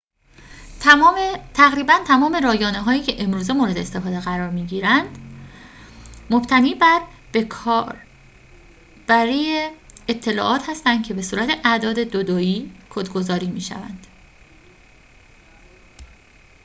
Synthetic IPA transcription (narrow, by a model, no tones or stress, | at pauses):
t̪ʰæɣɾiːbænt̪ʰæmɒːme̞ɾɒːjɒːneɦɒːjiːcʰe̞ʔe̞mɾuːze̞moɾe̞d̪e̞est̪e̞fɒːd̪eɣæɾɒːɾmiːɟiːɾænd̪̥ | mob̥t̪ʰæniːbæɾʰ | b̥æɾiːeet̪ʰːe̞lɒ̰ːʔɒːt̪hæst̪ænd̪̚cʰe̞be̞suːɾæt̪ʰe̞ʔæd̪ɒːd̪e̞d̪od̪oiːkʰod̪ɡozɒːɾiːmiːʃæ̰væ̰nd̪̥